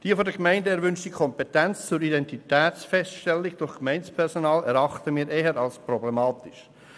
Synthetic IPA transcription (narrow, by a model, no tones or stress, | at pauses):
d̥iːəfodɛkmæɪndəɛɾvʏnʃtikʰɔmpɛtɛnt͡st͡suɾidɛntitɛːt͡sfɛstʃtɛlːɪɡd̥ʊɾχkmɛɪnspʰɛɾsonɑːlɛɾɑχtəmiːɾeːɦəɾɑlsprɔblɛmɑːtɪʃ